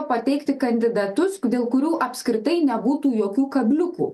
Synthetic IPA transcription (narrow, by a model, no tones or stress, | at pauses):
pɐt̪ʲɛɪkt̪ʲɪkɐnʲd̪ʲɪd̪ɐt̪ʊsd̪ʲeːlˠkʊɾʲuːʔɐpʲsʲkɾʲɪt̪ɐɪnʲɛbuːt̪uːjoːkʲuːkɐbʲlʲʊkṵː